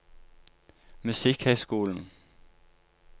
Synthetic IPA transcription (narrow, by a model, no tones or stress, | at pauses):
mʉsiɡ̥hesɡ̥ṵːln̩